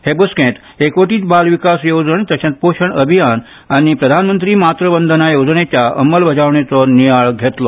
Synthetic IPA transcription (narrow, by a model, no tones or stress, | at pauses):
hebəskẽt̪ | ekʋəʈiːt̪balʋikasjod͡zəɳt̪əsẽt̪̚poɕəɳəbʱijan | añipɾəd̪ʱanmənt̪ɾiːmat̪ɾəbənd̪ʱənajod͡znet͡ɕjaəməlbəd͡ʑaʋɳet͡sɔnijaɭɡʱet̪lɔ